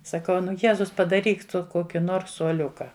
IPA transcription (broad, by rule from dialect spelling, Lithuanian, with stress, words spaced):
sɐˈkɐʊ ˈnʊ ˈjæːzʊs pɐdɐˈrʲiːk ˈtʊ ˈkoːkʲɪ ˈnoːrs suɔˈlʲʊkɐ